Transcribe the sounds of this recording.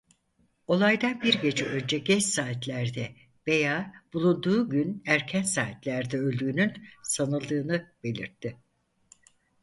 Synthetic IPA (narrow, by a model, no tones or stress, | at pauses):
o̞lˠajd̪anbiɾɟe̞d͡ʒɛʔø̞nd͡ʒɛɟɛt͡ʃsaːt̪lʲæɾd̪ɛ | ve̞jaːb̥ulˠund̪uːɟynæɾcʰænsaːt̪lʲæɾd̪ɛø̞lʲd̪yːnynsanɯlˠd̪ɯːnɯb̥e̞lʲḭɾt̪ʰːɪ